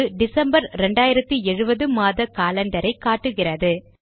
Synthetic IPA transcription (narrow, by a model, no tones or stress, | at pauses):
ɯɖɪsɐmbɐɾɾɛɳɖaːjɪɾɐt̪ːiɛɻɯbɐðɯmaːðɐkaːlɛɳɖɐɾɐɪkːaːʈːɯɣɪrɐðɯ